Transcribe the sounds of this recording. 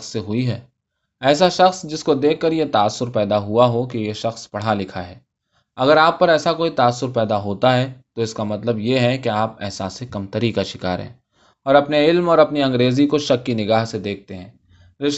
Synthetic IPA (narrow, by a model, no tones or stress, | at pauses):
sːeɦʊiɦɛː | ɛːsaʃɐxsd͡ʒɪskod̪eːkʰːɐɾjet̪aːsːʊɾpɛːd̪aɦʊaɦokijeʃɐxspɐɽ̤alɪkʰaɦɛː | ɐɡəɾaːpːɐɾɛːsakoːit̪aːsːʊɾpɛːd̪aɦoːt̪aɦɛt̪oɪskamɐt̪ləbjeɦɛkeaːpɛːɦsaːsekɐmt̪ɐɾikaʃɪkaːɾḛ̃ː | ɔːɾɐpneɪlmɔːɾɐpniɐ̃ŋɡɾeːzikoʃɐkːinɪɡaːɦsed̪eːk̚ʰt̪eɦɛ̃ː | ɾɪʃ